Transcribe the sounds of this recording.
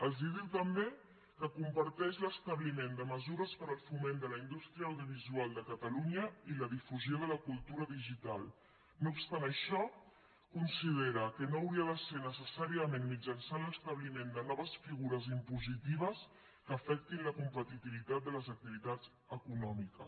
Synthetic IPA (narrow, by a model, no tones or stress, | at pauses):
əlˠziðiwt̪əmbe | kəkumpəɾt̪ɛʃləst̪əβlimend̪əməzuɾəspəɾəlˠfumend̪ələind̪ust̪ɾiəːwðjuβ̞izualˠd̪əkət̪əluɲəiləðifuzjoðələkulˠt̪uɾəðiʒit̪alˠ | noupst̪anəʃɔ | kunsiðeɾəkənoːwɾiəðəsenəsəsaɾiəmenmid͡ʒənsanləst̪əβlimend̪ənɔβəsfiɣuɾəzimpuzit̪iβ̞əs | kəːfɛk̚t̪inləkumpət̪it̪iβit̪at̪̚d̪ələzək̚t̪iβit̪ad͡z | əkunɔmikə̰